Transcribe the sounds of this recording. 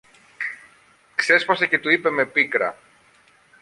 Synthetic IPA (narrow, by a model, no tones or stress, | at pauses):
kse̞spɐsece̞t̪uipe̞me̞pikɾɐ̰